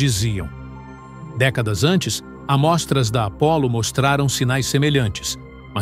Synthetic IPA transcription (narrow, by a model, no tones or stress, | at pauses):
iziɐ̰̃w̃ | d̪ɛkɐd̪ɐzɐ̃nt͡ʃɪs | ɐmɔst̪ɾɐzd̪ɐapɔlʊmost̪ɾaɾɐ̃w̃sinajsːemeʎɐ̃nt͡ʃɪ̥s | mɐ